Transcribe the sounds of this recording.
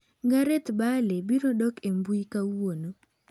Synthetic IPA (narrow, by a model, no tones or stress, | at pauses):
ɡaɾet̪balebinodɔkembuikawono